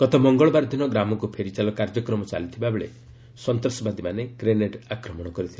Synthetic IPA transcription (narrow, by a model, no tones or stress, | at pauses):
kɔt̪ɔmɔŋɡɔɭɔbaɾd̪ʱinɔɡɾamɔkupʰeɾit͡ʃalɔkaɾd͡ʒɔkɾɔmɔt͡ʃa̰lit̪ʰibabeɭḛ | sɔnt̪ɾɔsɔbad̪imaneɡɾeneʈakɾɔmɔɽ̃ɔkɔɾit̪ʰila